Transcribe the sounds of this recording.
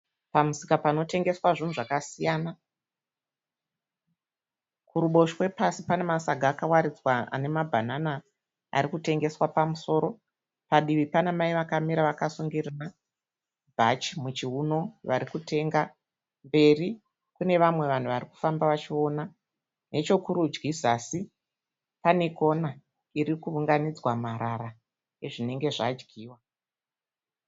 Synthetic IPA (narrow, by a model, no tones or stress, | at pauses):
pamusikapano̞te̞ŋɡe̞swaʐin̤uʐakasijaːna | kuɾuɓo̞ʃwe̞pasipane̞masaɡʱaːkawaɾid͡zwaa̰ne̞mabʱanana | a̰ɾikute̞ŋɡe̞swapamuso̞ɾo̞ | paɗiʋipanemaiʋakamiɾaʋakasuŋɡirina | bʱat͡ʃimut͡ʃiɦuno̞ʋaɾikutʰe̞ŋɡa | mbe̞ri | kune̞ʋamwe̞ʋan̤uʋariku̥fambaʋat͡ʃio̞na | ne̞t͡ʃo̞kuɾud͡ʒɡisasi | pane̞ko̞na | iɾikuʋuŋɡanid͡zwamaɾaɾa | eʐine̞ŋɡe̞ʐad͡ʒɡiːwa